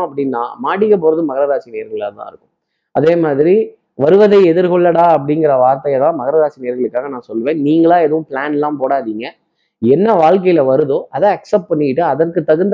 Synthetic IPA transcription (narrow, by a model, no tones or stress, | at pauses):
ɐp̬ːɐɽɪnːã̰ːmaːɽɪkːɐpoːɾɐðɯmɐɣɐɾɐɾaːsineːɾɣɐɭaːt̪ã̰ːɪɾɯkːɯ̥̃ | ʔɐðeːmaːðɪɾi | ʋɐɾɯʋɐðɐɪɛðɪɾɣɔɭːɐɽãːɐpːɐɽɪŋɡɪɾɐʋaːɾt̪ɐjɐðãːmɐɣɐɾɐɾaːsineːɾɣɐɭɯkːaːɣɐnãːsɔlːʋẽːnniːŋɡɐɭãːɛðɯʋʊ̃pɭaːnɛlːãːpoːɽaːðiːŋɡɐ | ɛnːɐʋaːɭk̬ɐjɪlɐʋɐɾɯðoːʔɐðɐ̃ːɐksɐpʈ̚pɐɳːɪɪʈːɯɐðɐrkɯt̪ːɐɣɯnd̪